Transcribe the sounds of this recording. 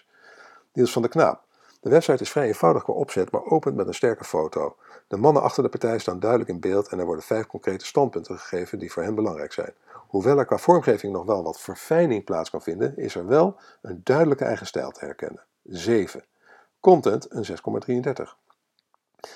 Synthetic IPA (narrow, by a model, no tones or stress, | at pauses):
dilˠsfɑndəkna̰ːp̚ | d̥əʋɛpsɑjtɪsfrɛjejnv̥ɑwdəχkʋa̰ːʔɔpsɛtma̰ːɹʔowpəntmɛtənstɛɹkəfowtow | d̥əmɑnənʔɑ̰χtəɹdəpɑɹtɛjəstaːndœɥdələkɪnbeːlˠtɛnɛɹʋɔɹdənvɛjfkɔŋkrejtə̥stɑnt̚pɵntəχə̥χejvəndivʊːɹɦɛnbəlɑŋrɛ̰jksɛ̰jnhuʋɛlˠɛɹkʋaːv̥ɔɹmχejvɪŋnɔχʋɛlˠʋɑtfəɹfɛjnɪŋplaːtskɑnvɪndənɪ̰zɛɹʋɛlˠ | əndœɥdələkəʔɛ̰jχəstɛ̰jlˠtʰəɦɛ̰ɹkɛ̰nə | zejv̥ə | kɔntɛntənzɛskɔma̰ːdriəndɛɹtə̰χ